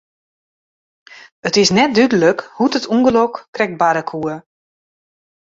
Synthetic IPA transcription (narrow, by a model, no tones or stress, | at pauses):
ətɪsnɛt̚dydələkhutətʰuŋɡəlɔkkːrɛk̚baɾəkʰuə